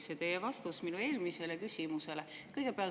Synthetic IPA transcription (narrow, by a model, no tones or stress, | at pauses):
set̪e̞jevɑst̪usminue̞ːlmise̞lekysʲimuse̞lekɤjɡ̥e̞peɑl